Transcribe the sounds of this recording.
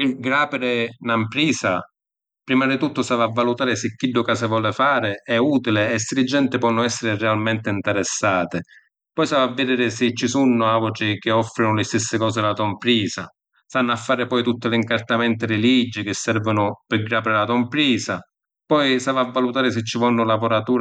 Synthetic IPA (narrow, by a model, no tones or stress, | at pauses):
pɪɡɾaːpɪɾɪnampɾiːsa | pɾiːmad̪it̪ut̪ːʊsavavːalut̪aːɾɪsɪkːiɖːʊkaːsavɔːlɪfaːɾɪɛuːt̪ilɪɛsːɪlɪd͡ʒːɛnt̪ɪpwɔnːʊɛsːɪɾɪrɛalmɛnt̪ɪint̪ɛɾɛsːaːt̪ɪ | pɔjsavavːɪd̪ɛːɾɪsɪt͡ʃːisunːʊavʊʈɾɪk̟ɪɔfːɾɪnʊlɪst̪ɪsːɪkɔːs̬ɪlat̪ompɾiːsa̰ | st̪anːafːaːɾɪpɔjt̪ut̪ːɪlɪiŋkart̪amɛnt̪ɪɾɪlid͡ʒːɪk̟ɪsːɛɾvʊnʊpɪɡɾaːpɾɪlat̪ɔmpɾiːsa | pɔjsavavːalut̪aːɾɪs̬ɪt͡ʃːɪvɔnːʊlapoɾat̪uː